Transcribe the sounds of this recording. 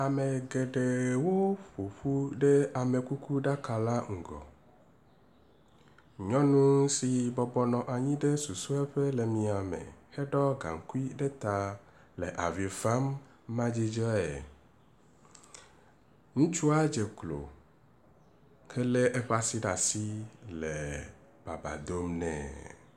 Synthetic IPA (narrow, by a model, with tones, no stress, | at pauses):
a˨me˨ɡe˨ɖe˨wo˦ɸo˨ɸu˦ɖe˦a˨me˨ku˦ku˦ɖa˦ka˨la˦ŋ̩˨ɡɔ̰˨ | ɲɔ̃˦nũ˦si˨bɔ˦bɔ˦nɔ̃˨ʔa˨ɲĩ˦ɖe˦su˨su˦ɛ˦ɸe˦lɛ˨mĩ˨a˨mḛ̃˨hɛ˦ɖɔ˦ɡa̰˨ŋ˨ku˦i˦ɖe˦t̪a˨ | lɛ˨ʔa˨vi˨fa˦mː | ã˦d͡ʑi˦d͡ʒɔ˦ɛ̰˨ | ŋũ˦t͡ʃu˦a˦d͡ʒe˨klo̰˨ | kɛ˦le˦ʔe˦ɸa˦si˦ɖa˨si˦lɛ˨ | b̥a˨ba̰˨d̪o˦mnɛ̰̃˨